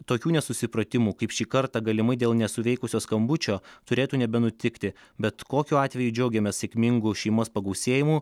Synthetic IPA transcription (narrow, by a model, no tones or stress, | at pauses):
t̪oːkʲuːnʲɛsʊsʲɪpɾɐt̪ʲɪmuːkɐɪpʃʲiːkɐɾt̪ɑɡɐlʲɪmɐɪd̪ʲeːlˠnʲɛsʊʋʲɛɪkʊsʲoːskɐmbʊt͡ʃʲoːt̪ʊɾʲeːt̪uːnʲɛbʲɛnʊt̪ʲɪkt̪ʲɪbʲɛt̪koːkʲuːɑːt̪ʲʋʲɛjud͡ʒʲɛʊɡʲɛmʲɛsʲɛkʲmʲɪŋɡʊʃʲɛɪmoːspɐɡɐʊsʲeːjɪmuː